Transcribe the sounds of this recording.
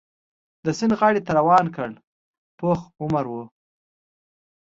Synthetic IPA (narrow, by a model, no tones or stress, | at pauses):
d̪əsɪnɣɑɽit̪aɾawɑːnkəɽ | poxʊmaɾwo